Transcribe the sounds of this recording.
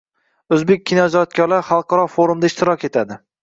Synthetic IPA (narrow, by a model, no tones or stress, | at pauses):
ɵzbek̚ʲʰːinɒd͡ʒɒt̪̚kʲʰɒɾlaɾχɑlˠqʰɑɾɒfoɾumd̪aɪʃt̪ɪɾɒkʲe̞t̪ʰad̪ɪ